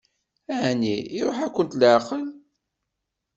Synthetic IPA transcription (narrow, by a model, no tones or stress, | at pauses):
æʕniːɾˤoħækʷːənt̪ləʕqəl